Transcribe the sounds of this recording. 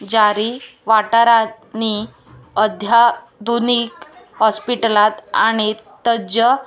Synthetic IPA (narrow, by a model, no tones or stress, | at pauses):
d͡ʑaɾiːʋaʈaɾa | ni | əd̪ʱja | d̪uniːkhɔspiʈəlat̪aɽ̃it̪əd͡ʑə